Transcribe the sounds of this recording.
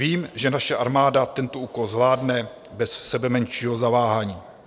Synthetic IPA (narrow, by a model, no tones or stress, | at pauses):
viːmʒɛnaʃɛʔaɾmaːdat̪ɛnt̪oʔuːko̞lzvlaːdnɛ | bɛssɛbɛmɛnʃiːɦo̞zavaːɦaɲiː